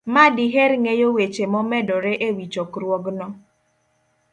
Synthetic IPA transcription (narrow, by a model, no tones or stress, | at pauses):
madiɦeɾŋejowet͡ʃemɔmɛdɔɾeʔewit͡ʃɔkɾwɔɡnɔ